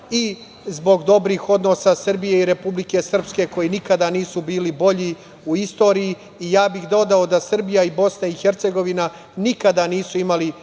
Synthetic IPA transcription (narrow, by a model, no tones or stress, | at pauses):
i | zbo̞ɡd̪o̞bɾiːxo̞d̪no̞ːsasr̩bijeiɾe̞publike̞sr̩pske̞ko̞jinikad̪aniːsubiːlibo̞ʎi | uist̪o̞ːɾijiː | jaːbixd̪o̞d̪ao̞d̪asr̩bijaibo̞snaixeɾt̪se̞ɡo̞ʋina | nikad̪aniːsuimali